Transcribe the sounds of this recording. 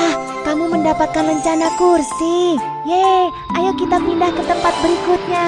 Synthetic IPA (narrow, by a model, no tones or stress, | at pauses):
ah | kamuməndapat̪̚kanməɲt͡ʃanakursi | ja | ajokit̪apindahkət̪əmpat̪̚bəɾikʊt̪̚ɲa